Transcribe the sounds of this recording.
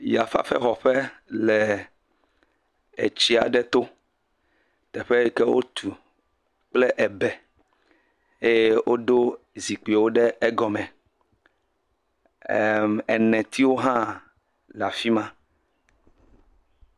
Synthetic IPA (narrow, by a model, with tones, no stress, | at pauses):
ja˨fa̰˦ɸɛ̰˦xɔ˨ɸɛ˦lɛ˨ | ḛ˨t͡ɕi˦a̰˨ɖɛ˦t̪o˦ | t̪ɛ˨ɸɛ˦i˦kɛ˦wo̰˦t̪ʰu˨ | k͡plɛ˦ʔɛ˨bɛ˨ | e˦je˦wʔo˦ɖo˦ | zi˨k͡pi˨wo˦ɖɛ˦ɛ˦ɡɔ˨mɛ̃˨ | ɛ˨nɛ̃˨t̪i˦wo˦ɦã˦ | la˨fi˦mã˦